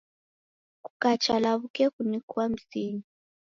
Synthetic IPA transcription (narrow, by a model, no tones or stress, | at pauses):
ku̥kat͡ʃalaβukɛkunikuam̩siɲi